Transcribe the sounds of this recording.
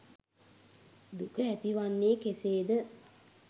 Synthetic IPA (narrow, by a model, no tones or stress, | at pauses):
d̪ukəæt̪iʋanːeːkeseːd̪ə